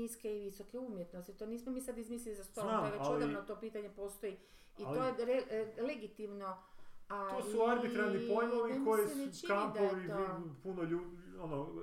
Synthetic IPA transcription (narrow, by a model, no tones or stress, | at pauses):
iskeiʋiso̞keumjet̪nost̪it̪o̞niːsmomiːsad̪izmiːslʲilizast̪oɾomaʋealoamnot̪o̞piːt̪aɲe̞po̞ːst̪oji | itloːjeɾeleɡit̪imno̞at̪osuaɾbit̪ɾanːipojoʋiekojesenet͡ʃikamp̪aoʋioipunoʎuono